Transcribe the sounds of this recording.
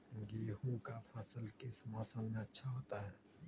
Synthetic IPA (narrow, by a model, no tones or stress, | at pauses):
ɡiːɦũkapʰəsəlkɪsmɔːsəlmẽɐtːʃʰaɦoːt̪aɦɛː